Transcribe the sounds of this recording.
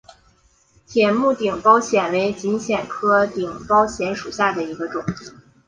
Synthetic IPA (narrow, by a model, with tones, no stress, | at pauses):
t̪ʰjɛ˨˩nmu˥˩t̪i˨˩ŋpɑ˥ʊɕjɛ˨˩nwe˧˥ɪt͡ɕi˧˥ŋɕjɛ˨˩nkʰɤ˥t̪i˨˩ŋpɑ˥ʊɕjɛ˧˥nʂu˨˩ɕja˥˩d̪ə˩i˧˥ɡə˧ʈ͡ʂʊ˨˩ŋ